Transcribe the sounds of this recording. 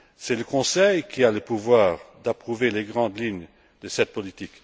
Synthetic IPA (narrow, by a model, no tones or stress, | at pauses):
sɛləkɔ̃sɛjkʰʲialəpuvwaːʁd̪apχuveleɡʁɑ̃d̪liɲ | d̪əsɛt̪̚pɔlit̪ik